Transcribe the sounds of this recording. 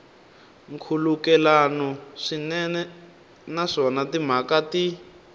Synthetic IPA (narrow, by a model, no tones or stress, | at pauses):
ŋkʰulukɛlanɔʂinɛnɛ | naʂɔnatim̤akati